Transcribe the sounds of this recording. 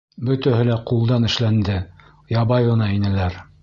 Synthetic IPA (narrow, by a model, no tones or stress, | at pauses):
bɵ̆t̪æhɘ̆læqulˠd̪ɑnɘ̆ʃlænd̪ɘ | jɑbɑjɤ̆nɑinɘ̆læɾ